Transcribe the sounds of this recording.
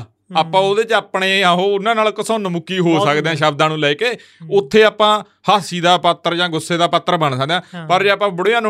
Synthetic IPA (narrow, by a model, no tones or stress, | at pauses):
aːpːãːoːd̪eːt͡ʃaːpɳeːãːɦoːʊnãːnaːlkəsõːnmʊkːiːɦoːsəkd̪eãːʃəb̚d̪ãːnũːlɛːkeː | ʊt̪ʰːeːaːpãː | haːsiːd̪aːpət̪ːəɾd͡ʒãːɡʊsːeːd̪aːpət̪ːəɾbəɳsək̚d̪eãːpəɾd͡ʒeːapãːbəɽːãːn